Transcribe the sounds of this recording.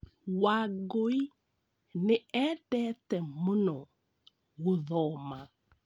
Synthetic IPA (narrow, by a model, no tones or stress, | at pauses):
waɡoi | neɛtɛtɛmunɔ | ɣuðɔma